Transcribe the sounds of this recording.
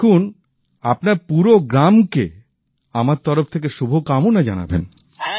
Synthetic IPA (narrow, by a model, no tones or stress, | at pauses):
un | apnaɾpuɾoɡɾamke | amaɾt̪ɔɾoft̪ʰek̬eʃubʱokamunad͡ʑana̰bḛn